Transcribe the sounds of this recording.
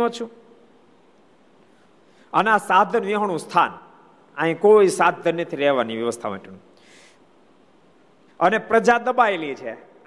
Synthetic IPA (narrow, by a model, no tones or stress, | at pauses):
õt͡ʃʰũ | əneasad̪ʱənʋiɦəɳ̃ũst̪ʰan | ãɦĩkoisad̪ʱənːət̪ʰiɾɛɦʋaniʋjəʋəst̪ʰama̰ʈʰenũ | ənepɾəd͡ʒad̪əbaelit͡ʃʰe